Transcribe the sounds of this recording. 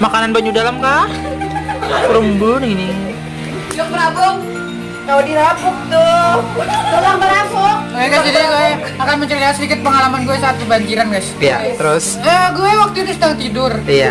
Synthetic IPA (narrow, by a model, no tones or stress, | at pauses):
makananbaɲudalamkah | ɾumbʊniɡini | d͡ʒɔk̚bəɾabʊŋ | kalodiɾafʊk̚t̪ʊ | dalaŋbəɾafʊk̚ɛkaadiɡu | akanməɲt͡ʃəɾiasədikɪt̪̚pəŋalamanɡuɛsaːt̪̚kəbaɲd͡ʒiɾanɡajsja̰t̪əɾʊs | əɡuɛwak̚t̪ud̪ʊsdaŋt̪idʊrija